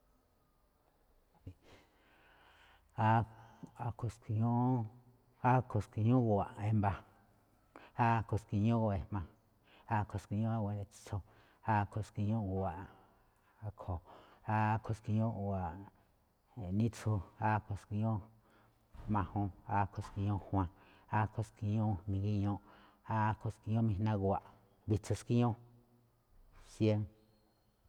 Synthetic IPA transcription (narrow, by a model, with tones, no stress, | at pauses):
a˦a˨ko˧ski˧ɲõ˦ | a˦kʰo˨ski˨˧ɲũ˦˧ɣu˨˧a˨ʔẽ˦mba˧ | a˦˧ko˨ski˧ɲõ˦˧e˨mã˧ | a˦kʰo˨˧ski˧ɲõ˦a˦wʷe˧e̥˧t͡sʰo˧ | a˦kʰo˧˨ski˧ɲõ˦˧˨a˨ | a˧kʰo˨a˦˧kʰo˨ski˧ɲõ˦wa˨ʔ | nĩ˦t͡so˧a˦ko˨ski˧ɲõ˦ | mã˧hõ˧a˧kʰo˨ski˧ɲõ˦hw̃ã˧ | a˦kʰo˧ski˧ɲõ˦nĩ˧ɡi˦ɲõ˦˧ʔ | a˧kʰo˨ski˧ɲõ˦mĩ˧nã˦ɣwa˨ʔ | βi˧t͡so˧ski˦ɲõ˦ | sje˦ŋ